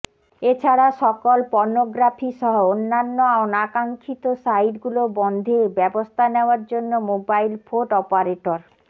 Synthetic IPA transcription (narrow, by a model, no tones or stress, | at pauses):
et͡ɕʰaɾaʃɔkolpɔɾnoɡɾafʰiʃɔɦoonːanːoaonakaŋkʰit̪osajʈɡulobɔnd̪ʱebɛbost̪ʰaneoaɾd͡ʑonːomobajlfʰoʈɔpaɾeʈoɾ